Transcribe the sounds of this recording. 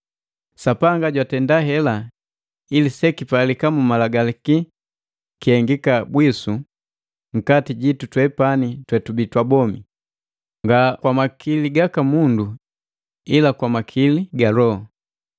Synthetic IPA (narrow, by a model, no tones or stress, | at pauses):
sapaŋɡaɟwatɛndaɦɛla | ilisɛkipalikamumalaɡaliki | kihɛŋɡikabwisu | ŋ̩katiɟitutwɛpanitwɛtubitwabɔmi | ŋɡakwamakʰiliɡakamundu | ilakwamakʰiliɡalɔɔ